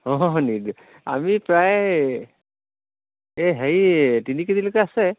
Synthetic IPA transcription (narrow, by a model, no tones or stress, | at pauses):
ɦɔ̃nid | a̰mipɹaj | eɦeɹitinikid̪ilokɛasɛ